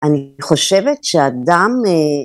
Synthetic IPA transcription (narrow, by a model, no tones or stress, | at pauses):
ʔaniχo̞ʃevetʃeadame